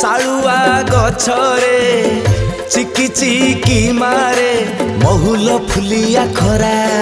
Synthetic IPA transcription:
saɭuaɡɔt͡ʃʰɔɾe | t͡ʃikit͡ʃikimaɾemɔɦulɔpʰulijakʰɔɾa

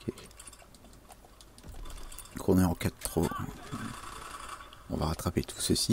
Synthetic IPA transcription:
ke | kɔneɑ̃kat̪ːχo | ɔ̰̃va̰ʁat̪χapet̪ʰu̥səsi

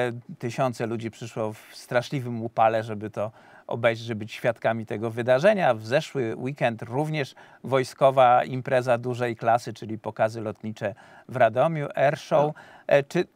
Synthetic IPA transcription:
t̪ɘɕɔnt̪sɛlud͡ʑipʂɘʂwɔfst̪ɾaʂlʲivɘmupalɛʐɛbɘt̪ɔ | ʔɔ̰bɛjʐɛbɘt͡ɕɕfʲjat̪kamʲit̪ɛɡɔvɘd̪aʐɛɲavzɛʂwɘwikɛnt̪ɾuvɲɛʂ | vɔjskɔvaimpɾɛzad̪uʐɛjklasɘt͡ʂɘlʲipɔkazɘlɔt̪ɲit͡ʂɛ | vɾad̪ɔmʲjuʔɛɾʂɔw | t͡ʂɘ

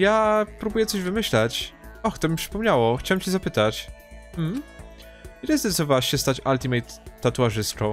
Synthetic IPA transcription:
japɾubujɛt̪sɔʑvɘmɘɕlat͡ɕɔxt̪ɔmʲifʂpɔmɲawɔxt͡ɕawɛmt͡ɕɛzapɘt̪at͡ɕ | m̩ | ilɛzd̪ɔt̪t̪ɔvawaɕɛst̪at͡ɕalt̪ʲimɛjt̪ːat̪uaʐɘst̪t͡ʂɔ̃w̃

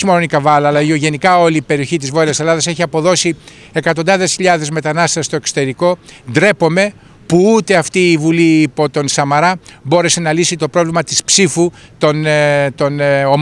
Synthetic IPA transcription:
imononikɐvɐlɐːlɐio̞ʝe̞nikɐo̞liːpe̞ɾio̞çit̪̬izvo̞ɾiɐse̞lɐðɐse̞çiɐpo̞ðo̞si | e̞kɐt̪o̞nd̪ɐðe̞sçiʎɐðe̞zme̞t̪ɐnɐst̪est̪o̞e̞ksot̪e̞ɾiko̞d̪ɾe̞po̞me̞ | puut̪e̞ɐft̪iːvuliːpo̞t̪o̞nsɐmɐɾɐbo̞ɾe̞se̞nɐlisit̪o̞pɾo̞vlimɐt̪ispsifut̪o̞nt̪o̞no

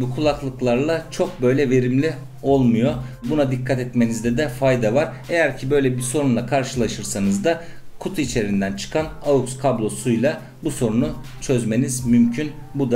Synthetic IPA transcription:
bukʰulˠaklˠɯklˠaɾlˠat͡ʃʰo̞k̚bø̞jlʲɛve̞ɾimlʲi | o̞lˠmujo̞bunad̪ikʰːat̪ɛt̪me̞nizd̪ɛd̪ɛfajd̪avaɾ | e̞jæɾcʰibø̞jlʲɛbiɾso̞ɾunlˠakʰaɾʃɯlˠaʃɯɾsanɯzd̪akʰut̪ʰuit͡ʃʰe̞ɾind̪ænt͡ʃʰɯ̥kʰanaukskʰablˠo̞sujlˠa | buso̞ɾunu | t͡ʃʰø̞zme̞nizmymcʰyn | bud̪a

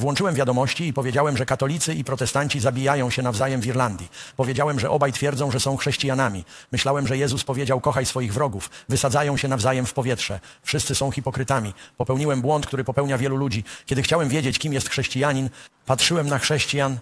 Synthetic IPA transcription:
vwɔnt͡ʂɘwɛmvʲjad̪ɔmɔɕt͡ɕiːpɔvʲjed͡ʑawɛmʐɛkat̪ɔlʲit̪sɘipɾɔt̪ɛst̪aɲt͡ɕizabʲijajɔ̃w̃ɕɛnavzajɛmviɾland̪ʲjipɔvʲjed͡ʑawɛmʐɛʔɔbajt̪fʲjɛɾd̪zɔ̃w̃ʐɛsɔ̃w̃xʂɛɕt͡ɕijanamʲimɘɕlawɛmʐɛjɛzuspɔvʲjed͡ʑawkɔxajsfɔjiɣvɾɔɡufvɘsad̪ajɔ̃w̃ɕɛnavzajɛmfpɔvʲjɛtʂɛfʂɘst̪sɘsɔ̃w̃xʲipɔkɾɘt̪amʲipɔpɛwɲiwɛmbwɔnt̪kt̪uɾɘpɔpɛwɲavʲjɛlulud͡ʑikʲɛd̪ɘxt͡ɕawɛmvʲjed͡ʑet͡ɕkʲimjɛst̪xʂɛɕt͡ɕijaɲinpatʂɘwɛmnaxʂɛɕt͡ɕijan

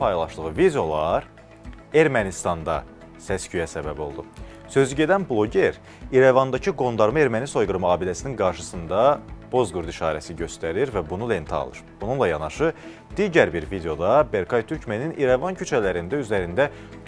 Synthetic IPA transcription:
pɑjlˠɑʃlˠɯʁɯvid̪eo̞lˠɑɾ | e̞ɾmænist̪ɑnd̪ɑ̰ | sæscʰyjæsæbæbo̞̰lˠd̪u | sø̞zyɟe̞d̪ænblˠo̞ɟeɾ | iɾevɑnd̪ɑcʰɯɡo̞nd̪ɑɾmɯe̞ɾmæniso̞jɡɯɾmɯɑːbid̪æsininɡɑɾʃɯsɯnd̪ɑb̥o̞zɡuɾd̪iʃɑ̰ːɾæsiɟø̞st̪æɾiɾvæbunule̞nt̪ʰɑ̰lˠɯ̰ɾb̥ununlˠɑjɑnɑʃɯ | d̪̥iɟæɾbiɾvid̪eo̞d̪ɑbe̞ɾkʰɑjt̪ʰyɾcmeninʔiɾevɑncʰyt͡ʃʰælæɾind̪æyzæɾind̪æ

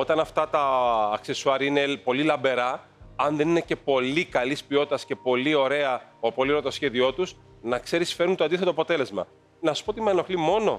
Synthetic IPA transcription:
o̞t̪ɐnɐft̪ɐt̪ɐːkse̞suɐɾiine̞po̞lilɐmbe̞ɾɐ | ɐnðe̞ninece̞po̞likɐlispio̞t̪t̪ɐsce̞po̞lio̞ɾe̞ɐopolioɾɐt̪osçe̞ðio̞t̪us | nɐkse̞ɾisfe̞ɾunt̪oɐnd̪iθet̪oɐpo̞t̪e̞le̞zmɐ̰ | nɐsu̥spot̪imeno̞xlimo̞no̞̰

